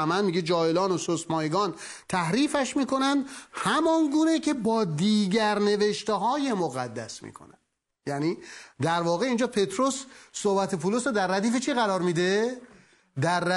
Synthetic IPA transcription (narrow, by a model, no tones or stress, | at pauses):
æmænmiɟed͡ʒɒːelɒːnososmɒːeɡɒːn | t̪ʰæhɾiːfæʃmiːkʰo̞nænd̪hæmɒnɡuːnecʰe̞bɒːd̪iːɡæɾne̞ve̞ʃt̪eɦɒːje̞moɣæd̪ːæ̰smḭːkʰo̞̰nænd̥̪ | jæniːd̪æɾvɒːɣe̞iːnd͡ʒɒːpʰe̞t̪ɾo̞sːohbæt̪ʰepʰulosɾod̪æɾːæd̪iːfet͡ʃʰiːɣæɾɒːɾmiːd̪e | d̪æɾː